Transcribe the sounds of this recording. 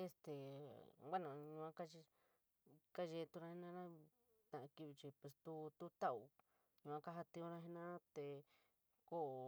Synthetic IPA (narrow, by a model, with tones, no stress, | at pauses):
e˧st̪e˨ɡʷa˦nã˨ɲũ˧ã˦ka˦t͡ʃi˧ | ka˦ʒe˧t̪u˧ɾã˧hi˦nã˦ɾã˦ | t̪ã˧ʔã˧ki˧βi˧t͡ʃi˧pe˧˨st̪u˧˦t̪u˦t̪a˦u˧ | ɲũ˧ã˦˧ka˦ɦa˧t̪ĩ˧õ˧ɾã˧ɦi˦nã˦t̪e˧ | ko˦˨